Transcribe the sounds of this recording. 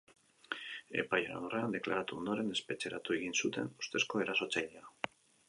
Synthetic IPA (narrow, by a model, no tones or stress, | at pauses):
e̞̰pajoa̰noreand̪e̞klaɾat̪uond̪o̞ɾe̞ne̞spe̞t͡ʃe̞ɾat̪ue̞ɣinsut̪e̞̰nust̪e̞sko̞e̞ɾaso̞t͡sajʎea